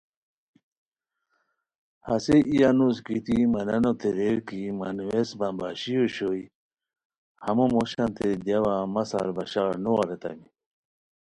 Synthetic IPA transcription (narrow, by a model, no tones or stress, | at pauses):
hɐ̰seʔijanuskit̪imɐnɐnot̪eɾeɾkimanwesbɐmbaːɕijoɕoj | hɐmomoɕant̪ed̪jawamɐsa̰ɾbɐɕaːɾnowaɾet̪a̰mi